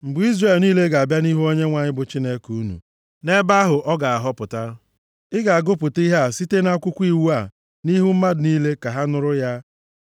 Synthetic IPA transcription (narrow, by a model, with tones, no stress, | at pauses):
m̩˨bʊ˨˦i˦zre˨lniː˦le˦ɡa˨a˨bja˦ni˦ɦu˦o˦ɲe˦ŋʷa˨ɲɪ˦bʊ˨t͡ʃi˦ne˦kuu˦nṵ˨ | ne˦ba˦ɦʊ˨ʔɔ˦ɡa˨a˨ɦɔ˦pʊ˨ta˦ | ɪ˦ɡa˨a˨ɡʊ˦pʊ˨ti˦ɦa˦a˦˨si˦te˦na˦kʷʊ˦kʷi˦wu˦a˨ | ni˦ɦu˦m̩˦ma˦dʊ˨niː˦le˦ka˨ɦa˦nʊ˦ɾʊ˦ja˦